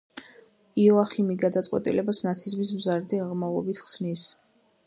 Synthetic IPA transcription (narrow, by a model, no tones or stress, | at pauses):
iɔaχimiɡad̪at̪sʼwɛ̰t̪ʼḭlɛbasnat̪sʰizmis̬mzaɾd̪iaʁmavlˠɔ̰bit̪ʰχsnis